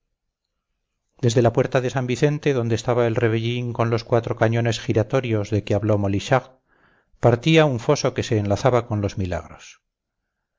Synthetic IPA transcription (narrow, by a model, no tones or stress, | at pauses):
d̪e̞zðe̞lapwe̞ɾt̪aðe̞sambiθe̞nt̪e̞ðo̞nd̪est̪aβae̞lre̞βeʎiŋko̞nlo̞skwat̪ɾo̞kaɲo̞ne̞sxiɾat̪o̞ɾjo̞zðe̞keaβlo̞mo̞liʃaɣ | paɾt̪iauɱfo̞so̞ke̞se̞ːnlaθaβako̞nlo̞zmila̰ɣ̞ɾo̞s